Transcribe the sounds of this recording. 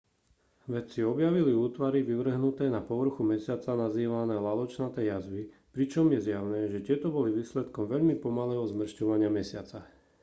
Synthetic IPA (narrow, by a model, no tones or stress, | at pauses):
ʋɛt͡siɔbjaʋiliuːt̪ʋaɾiʋiʋr̩ɦnut̪ɛːnapɔʋr̩xumɛsɪat͡sanaziːʋanɛːlalɔt͡ʃnat̪ɛːjazʋi | pɾit͡ʃɔmjɛzjaʊnɛːʒɛt̪ɪɛt̪ɔbɔliʋiːslɛt̪kɔmʋɛʎmipɔmalɛːɦɔzmr̩ʃcɔʋaɲɪamɛsɪat͡sa